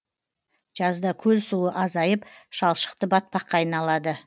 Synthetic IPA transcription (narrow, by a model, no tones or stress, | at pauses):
ʒ̥ɑzd̪ɑkʲʰɵlsuəʔɑzɑjəpʃɑlˠʃə̥qt̪əbɑt̪̚pɑqːɑːjnɑlˠɑd̪ə